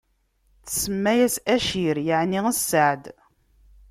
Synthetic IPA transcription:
t͡ssəmːæjæsæʃiɾjəʕniəsːəʕd̪

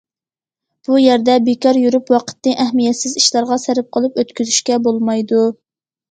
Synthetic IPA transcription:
b̥ujæɾd̪ɛbekɑɾjuɾupwɑqʰə̥t̪nɨʔɛhmijɛt̪sɪziʃlˠɑɾʁɑsæɾɪp̚qʰəlˠɨpøt̪kʲyzyʃkʲɛbolˠmɑjd̪u

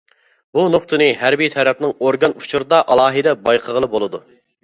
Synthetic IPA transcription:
bunoqt̪ʰɨnɨɦæɾbijt̪ʰɛɾɛp̚nɪŋoɾɡɑnut͡ʃʰuɾɨd̪ɑʔɑlˠɑːɦɨd̪ɛbɑjqʰəʁəlˠɨbolˠɨd̪u

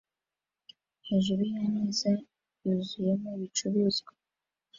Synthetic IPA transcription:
heʒuɾujanize | juzujemuβit͡ʃuβizɡa

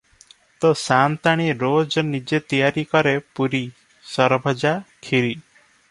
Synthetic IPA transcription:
t̪osant̪aɽ̃iɾod͡ʒɔnid͡ʒet̪ijaɾikɔɾepuɾi | sɔɾbʱɔd͡ʒakʰiɾi

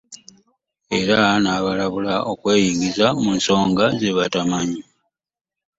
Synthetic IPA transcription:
e̞ɾanaːβalaβulaokwe̞ːjiɡizamunso̞ːŋɡazeβatamaɲi

